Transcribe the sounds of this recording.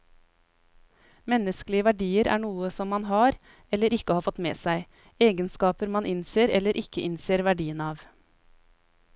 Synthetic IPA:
mɛnːəskəlɪəʋæɖiːəɾʔæ̰ːɳuːəsɔmːɑnɦɑːɾ | ɛlːəɾɪkːəhɑːɾfɔt̪mḛːsæɪ | eːɡənskɑːpəɾmɑnʔɪnseːɾɛlːəɾʔɪkːəʔɪnseːɾʋæɖiːənɑːʋ

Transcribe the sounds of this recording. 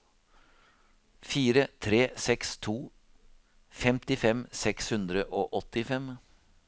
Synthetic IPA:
fiːɾət̪ʰɾeːsɛkst̪ʰuː | fɛmt̪ɪfɛmsɛkshʉnd̪ɾəʔoːʔɔt̪ɪfɛm

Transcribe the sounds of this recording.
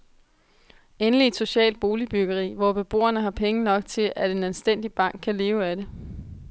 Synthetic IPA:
enəlied̥so̝ɕɛ̰ːld̥̚b̥o̝ːlib̥yɡ̥ɐʁḭːʋɒb̥e̝b̥o̝̰ːɐnəɦɑ̈pʰeŋənɒ̽ɡ̥̚t͡sʰe̝lʔæd̥e̝nælsd̥en̰d̥ib̥ɑ̈ŋ̰ɡ̥̚kʰæle̝ːʊæɾe̝

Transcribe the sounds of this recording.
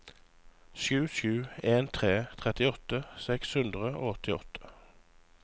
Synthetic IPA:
ʃʉːʃʉːeːnt̪ʰʁeːt̪ʰʁɛt̪ɪɔt̪əsɛkshʉnd̪ʁəo̰ːɔt̪ɪɔ̰t̪ʰə̥

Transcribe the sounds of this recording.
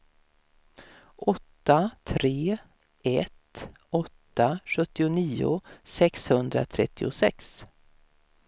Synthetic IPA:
ʔɔt̪ːat̪ʰɾeː | ɛt̪ | ɔt̪ːaɧɵt̪ːɪʊniːʊ̰sɛkshɵnd̪ɾa̰t̪ʰɾɛt̪ːɪʊsɛks

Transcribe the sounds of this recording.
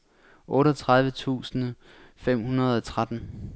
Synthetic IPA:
ʔɔ̽ːɾɒt͡sʰʁäð̞ˠʋət͡sʰṵːsn̩ | fem̰hunɐð̞ˠɒt͡sʰʁad̥n̩

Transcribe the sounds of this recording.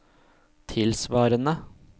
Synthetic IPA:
t̪ʰɪlsʋɑːɾənə

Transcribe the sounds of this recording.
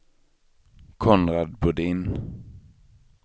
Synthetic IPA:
kʰɔnɾad̪bɵɖiːn

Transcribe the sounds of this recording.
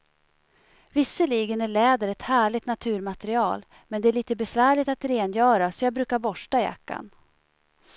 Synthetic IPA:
vɪsːəliːɡənæɭɛːd̪əɾɛt̪hæːɭɪɡt̪nat̪ʰʉ̟ːɾmat̪ɛɾɪɑːl | mɛnd̪ɛæɭiːt̪əbɛsvæːɭɪt̪at̪ɾeːnjœːɾasɔjɑːɡbɾʉ̟ːkaɾbɔʂʈaɪja̰kːa̰n

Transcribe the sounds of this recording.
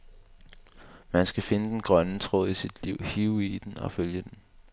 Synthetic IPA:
mænsɡ̥æfe̝nəd̥enɡ̥ʁɶnət͡sʰʁo̰ð̰ˠisid̥liʊ̰hiʊid̥enɒ̽føljəd̥en

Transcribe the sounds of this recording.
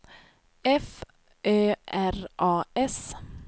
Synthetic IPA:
ɛf | ʔøːʔæɾʔɑːɛs

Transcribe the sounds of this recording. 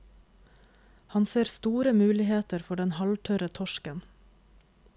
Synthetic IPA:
hɑnseːɾst̪uːɾəmʉːlɪheːt̪əɾfɔɖɛnhɑlʈʰœɾət̪ʰɔʃkən

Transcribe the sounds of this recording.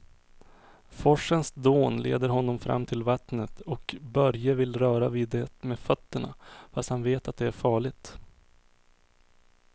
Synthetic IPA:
fɔʂːənsd̪oːnlḛːd̪əɾɦɔnːɔmfɾʔa̰mːt̪ʰɪlvat̪nət̪ɔkbœɾjəvɪlɾœːɾaviːd̪ɛt̪meːfœt̪ːəɳa̰fast̪hanveːt̪at̪̚d̪ɛæɾfɑːɭɪt̪

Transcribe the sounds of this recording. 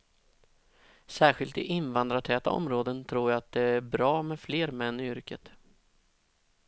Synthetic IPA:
sæːɾɧɪlt̪ɪ̰ʔɪnvand̪ɾaʈʰɛːt̪a̰ɔ̰mɾoːd̪ənt̪ʰɾuːjaat̪̚d̪ɛæɾbɾɑːmɛfleːɾmɛnːɪʏɾkət̪

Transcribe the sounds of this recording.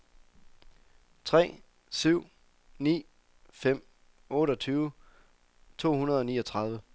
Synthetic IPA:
t͡sʰʁɛ̰ː | syʊ̰ | nḭː | fem̰ | ɔ̽ːɾəɒ̽t͡sʰyːʊ | t͡sʰo̝̰ːɦhunɐðˠɒ̽niːɒt͡sʰʁɑ̈ð̞ˠʋə

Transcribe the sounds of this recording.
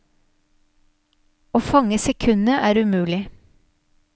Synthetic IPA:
oːfɑŋəsɛkʰʉnəʔæːɾʉmʉːlɪ

